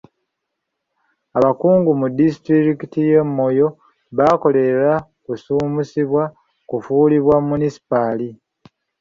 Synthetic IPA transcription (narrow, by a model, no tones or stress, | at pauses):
aβakuːŋɡumudis̬itɾiɾikitije̞mːo̞jo̞ | βako̞le̞ɾa | kusuːmusiβwa | kufuːliβwamːunisi̥pali